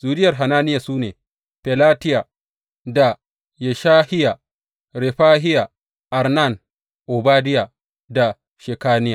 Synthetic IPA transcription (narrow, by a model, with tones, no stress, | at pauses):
z̥uː˨dɪ˦jɐ˨rɦa˨naː˦nɪ˦ja˨suː˦neː˨ | pɛ˨la˦tɪ˦ja˨ | da˨ | jɛ˨ʃaː˦hɪ˦ja˨ | ɾe˨ɸaː˦ɦɪ˦ja˨ | ʔa˨ɾna˦˨n | ʔo˨baː˦dɪ˦ja˨ | da˨ | ʃe˨kaː˦nɪ˦ja˨